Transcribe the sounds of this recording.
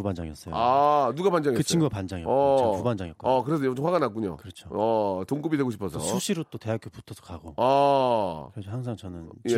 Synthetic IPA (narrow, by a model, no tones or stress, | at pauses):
puband͡ʑaŋjʌ̰ss͈ʌjanuɡapand͡ʑaŋeɯst͡ɕʰiŋɡuɡapand͡ʑaŋj̰ʌuband͡ʑaŋjk͈oʌkɯɾes̬ʰʌjt͡ɕɸwaɡanak͈uɲo̰kɯɾʌt͡ɕʰoʌtoŋk͈ɯbidwe̞ɡoɕʰi̥pʰʌsʰʌsʰuɕʰiɾot͈oteak͈opu̥tʰʌsʰʌ̥kaɡo̰a | kehaŋs̬ʰaŋt͡ɕʌnɯnje